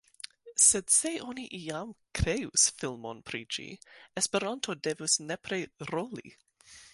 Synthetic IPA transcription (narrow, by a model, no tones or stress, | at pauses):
sedse̞ʔoniʔiamkɾejusfilmo̰npɾḭd͡ʒḭespeɾantʰodevusnepɾeɾolḭ